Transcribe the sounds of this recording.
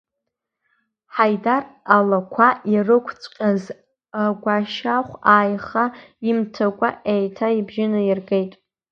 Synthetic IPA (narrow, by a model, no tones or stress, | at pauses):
ħajdaralakʷʰaʔirɨkʷʰt͡sʷʼqʲʼaz | aɡʷaʃaχʷaːjχaimtʰakʷʼa̰ʔejtʰaibʒɪnairɡejtʼ